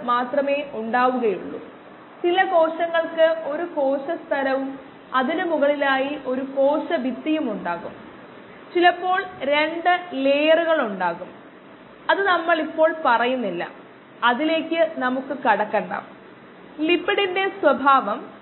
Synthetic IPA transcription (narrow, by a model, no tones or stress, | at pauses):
maːt̪rɐme̞ːʔuɳɖaːʋuɣɐjuɭːṵ | t͡ɕilɐko̞ːʂɐŋːɐɭkɨo̞ɾuko̞ːʂɐst̪ʰɐlɐʋum | ɐðinumuɣɐɭilaːjiʔo̞ɾuko̞ːʂɐbit̪ːijumuɳɖaːɣṵm | t͡ɕilɐpːo̞ːɭɾe̞ɳɖɨleːjɐruɣɐɭuɳɖaːɣum | ɐðɨnɐmːɐɭipːo̞ːɭpɐrɐjunːilːɐ̰ | ɐðile̞ːkʲːɨnɐmukːɨkɐɽɐkːɐɳɖa̰ː | lipːiɽinde̞swɐbʱaːʋɐm